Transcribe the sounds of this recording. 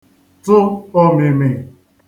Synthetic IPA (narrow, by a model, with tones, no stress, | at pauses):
tʊ˦ɔ˦me˨me˨